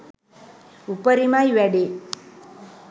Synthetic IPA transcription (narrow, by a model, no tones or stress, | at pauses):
upəɾimajʋɛɖe